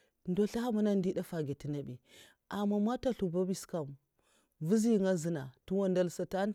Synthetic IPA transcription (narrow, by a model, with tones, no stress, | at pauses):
ndo˦ɬa˦ha˦ma˦na˦ndi˦da˦fa˨ɡi˨ti˦na˨bi˨ | ʔa˨ma˨ma˦ta˦ɬu˨ba˦bi˦˨ska˨m | vu˦zi˦˨ŋa˦zi˦na˨tu˦wa˦nda˦lsa˨ta˦n